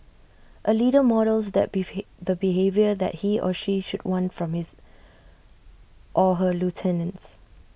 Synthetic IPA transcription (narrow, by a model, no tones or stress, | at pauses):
ʔəliɾəmɔɾəlsdɛ̰t̚dəbiɦevjəðɛ̰t̚hiʔɔ̰ʃiʃud̚wãnfɹɔ̃mhɪz | ʔɔɦəlutʰɛnə̃ns